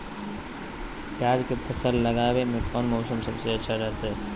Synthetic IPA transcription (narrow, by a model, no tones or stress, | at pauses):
pjaːd͡ʒkepʰɐsəllɐɡaːʋemẽkʰɔːnmɔːsəmsɐbseɐtːʃʰaɾɐɦt̪ɦɛ